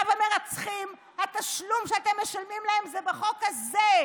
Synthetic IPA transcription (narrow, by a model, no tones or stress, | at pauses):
vameʁat͡sχim | hat̪aʃlumʃeat̪emːeʃalmimlaemzebeχo̞khaze